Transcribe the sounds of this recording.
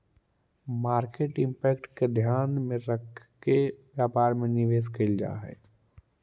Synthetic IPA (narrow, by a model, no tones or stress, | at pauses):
maːɾkeʈɪ̃mpɛːkʈked̪ʱjaːnmẽɾəkʰː | eʋjaːpaːɾmẽnɪʋeːskəld͡ʒa̰ːɦɛ̰ː